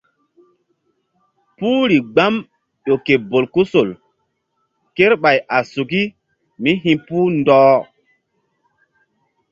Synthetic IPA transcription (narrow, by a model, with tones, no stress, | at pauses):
puː˦ɾi˨ɡ͡ba˦m | ɗo˨ke˨bo˨lku˦so˨l | ke˦ɾɓa˨jʔa˨su˨k̬i˦ | mi˦ɦĩ˦puː˦ndɔː˦